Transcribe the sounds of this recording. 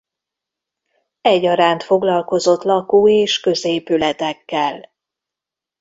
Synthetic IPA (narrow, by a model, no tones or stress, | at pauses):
ɛɟːɒɾaːnt̪fo̞ɡlɒlko̞zo̞t̪lɒkuːeːʃkø̞zeːpylɛt̪ɛkːɛl